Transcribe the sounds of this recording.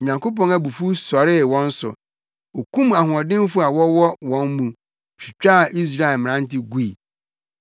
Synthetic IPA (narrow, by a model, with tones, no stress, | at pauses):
ɲã˨ŋko˦p̬ɔ̃˦næ˨bu˨fu˦sɔ˨ɾɪ˦wɔ̃˦n̩˦sʊ̰˨ | o˨kũ˦ma˨hʊ̃˨ɔ˨dɪ̃˦m˦fʊ˦a˨wɔ˦wɔ˦wɔ̃˦nmũ˨ | fi˨t͡ɕᶣa˦˨ʔi˦s̬ɾa˦ɛ˨lmɪ̃˨nã˦n̩˦tɪ˦ɡu˦i˨